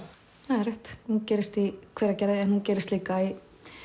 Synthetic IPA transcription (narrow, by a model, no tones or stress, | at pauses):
haðɾraht̪huncɛːɾɪst̪ikʰvɛːɾacɛɾðɪɛnhuncɛːɾɪst̪liːkaj